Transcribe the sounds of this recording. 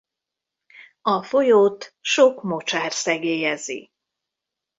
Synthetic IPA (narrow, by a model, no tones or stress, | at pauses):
ɒfo̞joːt̪ʃo̞kmo̞t͡ʃaːrsɛɡeːjɛzḭ